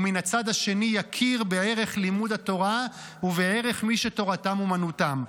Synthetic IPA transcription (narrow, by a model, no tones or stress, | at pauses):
minat͡sad̪haʃe̞nijakʰiʁbe̞e̞ʁe̞χlimudato̞ʁa | uvee̞ʁe̞χmiʃeto̞ʁatamumanutam